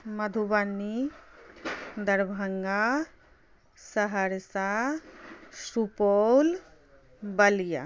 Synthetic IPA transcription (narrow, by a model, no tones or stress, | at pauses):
mɐd̪ʱubanːi | d̪ɐɾbʱɐŋɡa | sɐɦɐɾsa | supol | bɐlija̰